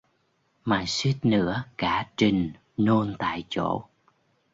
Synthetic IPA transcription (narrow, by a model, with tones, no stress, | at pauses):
maː˨˩si˦˥t̚nɨ̰˧˥əkaː˧˩˥t͡ɕï˨˩ŋ | no˧nt̪a̰ː˧˨jt͡ɕo̰˧˥˨